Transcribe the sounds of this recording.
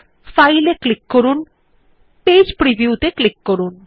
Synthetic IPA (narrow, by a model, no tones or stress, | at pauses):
fajleklikːoɾun | ped͡ʑpɾibʱiut̪eklikːoɾun